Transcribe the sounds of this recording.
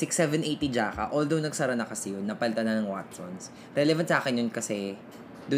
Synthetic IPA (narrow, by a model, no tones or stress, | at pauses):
sɪksɛvɛnʔejt̪id͡ʒaːkɐ̰ʔold̪ownɐɡsɐɾɐnɐkɐsɛjonːɐpɐlɪt̪anɐnɐŋwa̰t̪so̰ns | ɾɛlɛvɐnt̪saːkɪnjonkɐsɛ | d̪ʊ